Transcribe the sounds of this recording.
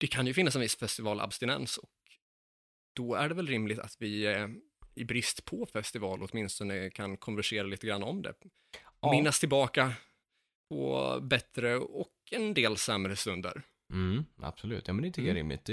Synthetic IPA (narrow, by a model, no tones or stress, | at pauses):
d̪̥ɛkʰanjɵfɪnːas̬ɛnvɪsːfɛst̪ɪvɑːlʔa̰bst̪ɪnɛ̰nsɔk̚ | d̪̥ɔæɖɛvɛlɾɪmlɪɡt̪a̰t̪vɪ | ɪbɾɪst̪pʰɔfɛst̪ɪvɑːlʔɔt̪mɪnst̪ɔnəkʰankʰɔnvæʂeːɾaliːt̪əɡɾanːaɔmd̪ɛ̰ | mɪnːast̪ʰɪlbɑːka | pʰɔ̰bɛt̪ɾəɔkɛnd̪eːlsɛmɾəst̪ɵnd̪ə̰ɾ | m̩a̰b̥sɔlʉ̟ːt̪ʰːjɑːmɛnɛɪnt̪ʰkːəɾɪ̰mlɪ̰t̪̚d̪